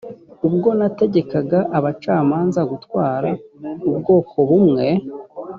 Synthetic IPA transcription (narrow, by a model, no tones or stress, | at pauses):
ubɡo̞nate̞ɟe̞kaɡaʔaβat͡ʃaːmaːnzaɡutwaːɾaub̚ɡo̞ːko̞βumŋe̞